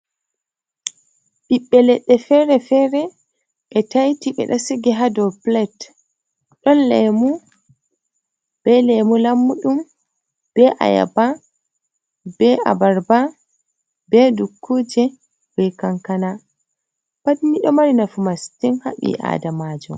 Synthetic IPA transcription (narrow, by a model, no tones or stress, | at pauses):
ɓiɓːɛlɛɗːɛfɛɾɛfɛɾɛ | ʔɛtajtiɓɛ̰ɗasiɡɛɦadɔplɛt | ɗɔnlɛmu | b̥ɛlɛmulamːuɗum | b̥ɛʔa̰ja̰ba | b̥ɛʔa̰baɾba | bɛdukʰːuːd͡ʒɛ | bɛkaŋkana | badiniɗɔmaɾinafumastinha̰ɓḭʔa̰ːdamaːd͡ʒɔ̰